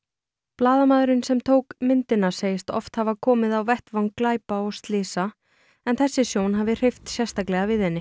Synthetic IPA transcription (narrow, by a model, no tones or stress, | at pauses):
plaːðamaːðɾɪnsɛmt̪ʰoːwkmɪnt̪ɪnːaseːjɪst̪ɔ̰ft̪havakʰɔːmɪðawvɛht̪vawŋkːlaːjpaɔɣst̪lɪːsa | ɛnθɛsːɪsjoːwnɦaːvɪr̥ejft̪sjɛst̪aklɛɣavɪðhɛnːɪ